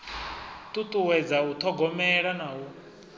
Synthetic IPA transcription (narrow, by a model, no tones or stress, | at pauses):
t̪ʼut̪ʼuwɛd͡zaut̪ʰɔɡɔmɛɺanaːwu